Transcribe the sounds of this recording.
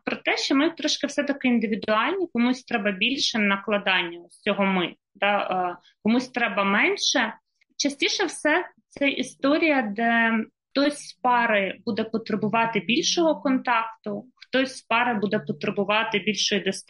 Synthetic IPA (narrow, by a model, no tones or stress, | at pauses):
pɾɔt̪ɛʃt͡ʃɔmɪt̪ɾɔʃkɪwsɛt̪ɐkɪind̪ɪʋʲid̪ʊɑlʲnʲikɔmusʲt̪ɾɛbɐbʲilʲʃɛnɐklˠɐd̪ɑnʲːɐsʲɔɦɔmɪ | d̪ɑ | kɔmusʲt̪ɾɛbɐmɛnʲʃɛ | t͡ʃɐsʲtʲiʃɛwsɛt̪sɛʔist̪ɔɾʲijɐd̪ɛxt̪ɔsʲpɑɾɪbud̪ɛpɔt̪ɾɪbʊʋɑt̪ɪbʲilʲʃɔɦɔkɔnt̪ɑkt̪ʊxt̪ɔsʲpɑɾɪbud̪ɛpɔt̪ɾebʊʋɑt̪ɪbʲilʲʃɔjid̪ɔs